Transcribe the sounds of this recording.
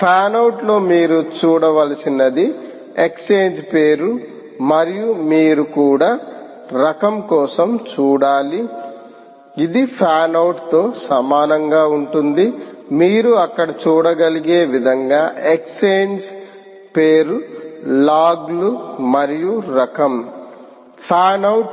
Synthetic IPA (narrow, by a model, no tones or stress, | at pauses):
pʰaːnɐwuʈlo̞ːmiːɾut͡ʃuːɽɐʋɐlɐsinɐd̪i | e̞kseːɲd͡ʒpe̞ːɾu | mɐɾijumiːɾukuːɽaː | ɾɐkɐmkɔːsɐmt͡ʃuːɽaːli | id̪ipʰaːnɐwuʈt̪o̞ːsɐmaːnɐŋɡaːuɳʈund̪imiːɾuɐkːɐɽɐt͡ʃuːɽɐɡɐliɡe̞ːʋid̪ʱɐŋɡaːʔekseːɲd͡ʒ | peːɾulaːɡlumɐɾijuɾɐkɐm | pʰaːnɐwʈ